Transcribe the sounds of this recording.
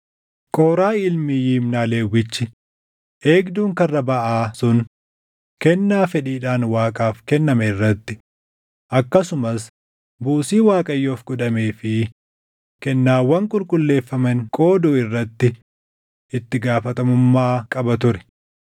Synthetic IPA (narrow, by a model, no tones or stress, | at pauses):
kʼoːɾaːɪlmɪjiːmnaːleːwːɪt͡ʃːɪ | ʔeːɡd̪uːŋkɐrːɐbɐʔaːsʊn | kɛnːaːfɛᶑiːᶑaːnwaːkʼaːfkɛnːɐmɐɪrːɐt̪ːɪ | ʔɐkːɐsʊmɐs | buːsiːwaːkʼɐjːoːfɡʊᶑɐmeːfɪ | kɛnːaːwɐŋkʼʊlkʼʊlːe̞ːfːɐmɐŋkʼo̞ːd̪ɔːɪrːɐt̪ːɪ | ɪt̪ːɪɡaːfɐt̪ɐmʊmːaːkʼɐbɐt̪ʊɾɛ̥